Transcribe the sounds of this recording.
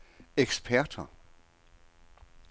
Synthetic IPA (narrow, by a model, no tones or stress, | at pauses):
eɡ̥spʰæɐ̰d̥ɐ